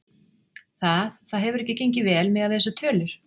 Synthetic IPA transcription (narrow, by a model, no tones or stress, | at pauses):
θaðθaðɦɛvʏɾɛhcɪcejɲcɪvɛːlmɛðaðɛːsat̪ʰœːlʏɾ̥